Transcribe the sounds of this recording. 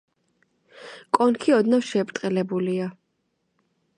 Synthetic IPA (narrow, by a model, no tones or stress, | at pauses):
kʼɔnkʰiɔd̪nafʃɛpʼt̪ʼqʼɛlɛbulia